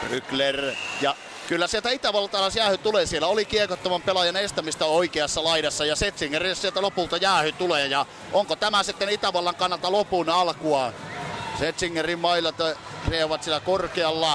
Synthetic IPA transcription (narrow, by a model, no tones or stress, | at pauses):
ryklerjɑ | kylːæsielt̪æit̪æʋɑlːɑt̪ɑlɑsjæːhyt̪uleːsielːæolikiekot̪ːoʋɑmpelɑjɑnest̪æmist̪æoikeɑsːɑlɑiɾɑsːɑjɑset̪siŋːerissielt̪ælopult̪ɑjæːhyt̪uleːjɑ | ʔoŋkot̪æmæsit̪ːenit̪æʋɑlːɑŋkɑnːɑlt̪ɑlopunɑlkuɑ | set̪siŋːerimmɑilːˑɑt̪ɑ | rieʋɑt̪sielːˑækorkeɑlːɑ